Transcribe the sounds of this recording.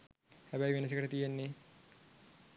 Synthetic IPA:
hæbæjʋenəs̬əkəʈət̪ijenːe

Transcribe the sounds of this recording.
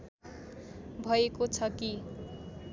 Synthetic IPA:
bʱʌekot͡sʰʌki

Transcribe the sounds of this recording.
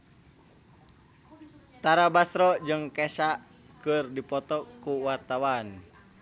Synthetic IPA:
t̪aɾabasɾɔd͡ʒɨŋkɛsa | kɨrdipɔt̪ɔkuwart̪awan

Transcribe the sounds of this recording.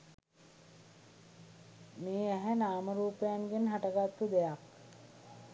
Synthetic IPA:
meːæɦænaːməɾuːpejanɡenɦaʈəɡat̪ːud̪ejak

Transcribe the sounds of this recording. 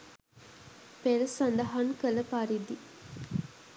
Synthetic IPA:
peɾəsand̪ɐɦaŋkələpaɾid̪i

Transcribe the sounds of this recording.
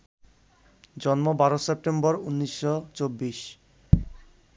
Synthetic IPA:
d͡ʑɔnmobaɾosep̚ʈembɔɾunːiʃːot͡ɕobːiʃ

